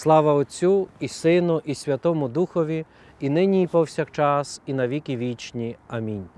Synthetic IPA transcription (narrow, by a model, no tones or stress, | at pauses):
slˠɑʋɐɔt͡sʲuisɪnʊʔisʲʋʲɐt̪ɔmʊd̪uxɔʋʲi | inɪnʲiipɔwsʲakt͡ʃɑsinɐʋʲikʲiʋʲit͡ʃnʲiɐmʲinʲ